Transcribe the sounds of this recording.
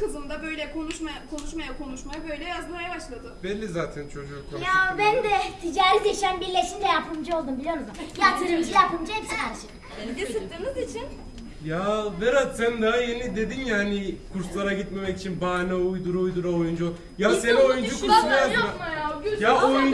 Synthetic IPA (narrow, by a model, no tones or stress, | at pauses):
kɯzɯmd̪abø̞jlʲɛkʰo̞nuʃmaakʰo̞nuʃmajakʰo̞nuʃmajabø̞jlʲɛbijazb̪uɾajabaʃlˠad̪ɯbɛlʲːizaːt̪ʰɛnt͡ʃʰo̞d͡ʒukʰojaabænd̪ɛt̪ʰid͡ʒaːɾlʲid̪eʃænbiɾlʲeʃind̪ɛjapʰɯmd͡ʒɯo̞lˠd̪umbilʲijo̞ɾuzjapt̪ʰːɯɾɯmd͡ʒɯjapɯmd͡ʒaɛpsinæʃi | end̪esit̪ʲːiɾmizit͡ʃʰin | javɛɾat̪sænd̪aɦaje̞nid̪e̞d̪injaːnikʰuɾslˠaɾaɡɟit̪me̞mɛkit͡ʃʰinbaːnɛujd̪uɾujd̪uɾaojund͡ʒuo | jasenɛojund͡ʒukʰuɾʃlˠajaajajaoju